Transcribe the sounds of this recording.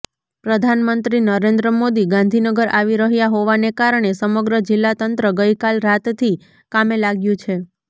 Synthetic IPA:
pɾəd̪ʱanmənt̪ɾinəɾend̪ɾəmod̪iɡãnd̪ʱinəɡəɾʔaʋiɾəɦjaɦoʋanekaɾəɳ̃esəməɡɾəd͡ʒɪlːat̪ənt̪ɾəɡəjkalɾat̪t̪ʰi | kamelaɡjũt͡ʃʰe

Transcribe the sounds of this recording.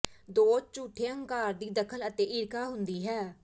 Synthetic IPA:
d̪oːt͡ʃuːʈʰːeːə̃ŋkaːɾd̪iːd̪əkʰələt̪eːʔɪɾkaːɦʊnd̪iːɦɛː

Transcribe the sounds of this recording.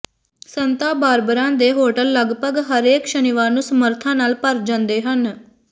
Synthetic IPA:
sənt̪aːbaːɾbəɾãːd̪eːɦoːʈəlːəɡpəɡɦəɾeːkʃənɪʋaːɾnũːsəməɾt̪ʰãːnaːlpəɾd͡ʒãnd̪eːɦən

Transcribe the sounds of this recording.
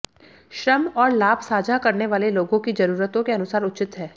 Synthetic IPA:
ʃɾəmɔːɾlaːbsaːd͡ʒakɐɾneʋaːleloːɡõkid͡ʒɐɾuːɾət̪õkeɐnʊsaːɾʊt͡ʃɪt̪ɦɛː

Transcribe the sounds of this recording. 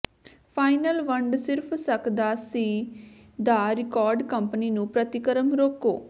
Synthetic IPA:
pʰaːɪnəlʋəɳɖsɪɾpʰsəkd̪aːsiː | d̪aːɾɪkɔːɾɖkəmpəniːnũːpɾət̪ɪkəɾəmɾoːko̰ː

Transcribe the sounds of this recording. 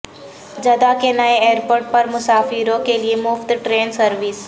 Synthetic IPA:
d͡ʒɐd̪akenɐeeːɾpoːɾʈ̚pɐɾmʊsaːfiɾõkeliemʊft̪ʈɾeːnsɐɾʋɪs

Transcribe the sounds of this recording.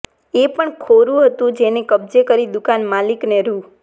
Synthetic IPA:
epəɳkʰoɾũɦət̪ũd͡ʒenekəbd͡ʒekəɾid̪ʊkanmalikneɾu

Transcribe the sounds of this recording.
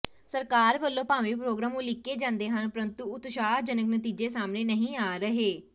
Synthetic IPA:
səɾkaːɾʋəlːõːpãːʋeːpɾoːɡɾaːmũːlɪkːeːd͡ʒãːnd̪eːɦənpəɾənt̪uːʊt̪ʃaːɦd͡ʒənəknət̪iːd͡ʒeːsaːmneːnəɦĩːaːɾəɦeː

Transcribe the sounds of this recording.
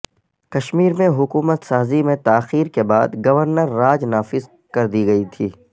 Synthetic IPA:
kɐʃmiːɾmẽɦʊkuːmət̪saːzimẽt̪aːxiːɾkebaːd̪ɡɐʋəɾnəɾːaːd͡ʒnaːfɪz | kɐɾd̪iɡɐit̪ʰiː

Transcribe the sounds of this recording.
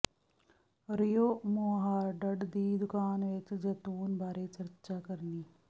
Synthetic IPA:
ɾɪjoːmoːɦaːɾɖɐɖd̪iːd̪ʊkaːnʋet͡ʃd͡ʒɐt̪uːnbʱaːɾeːt͡ʃɐɾt͡ʃaːkəɾniː

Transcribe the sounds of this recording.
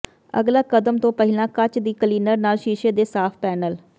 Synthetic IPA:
ə̰ɡlaːkəd̪əmt̪õːpəɦɪlãːkət͡ʃd̪iːkəliːnəɾnaːlʃiːʃeːd̪eːsaːpʰpɛːnəl

